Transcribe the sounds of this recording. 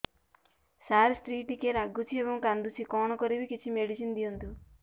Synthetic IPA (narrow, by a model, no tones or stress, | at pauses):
saːɾsʈɾiːʈikeːɾɐɡut͡ʃibɐmkɐnd̪usikɔːnɐkoɾiʋikit͡ʃːimeɽisind̪ijund̪u